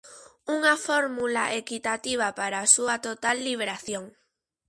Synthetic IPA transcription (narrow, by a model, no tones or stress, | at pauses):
uŋafoɾmulaʔekit̪at̪iβ̞apaɾasuat̪ot̪alːiβeɾaθjoŋ